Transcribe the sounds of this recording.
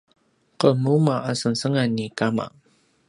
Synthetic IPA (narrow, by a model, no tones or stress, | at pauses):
qəmumaʔasənsəŋanːikama̰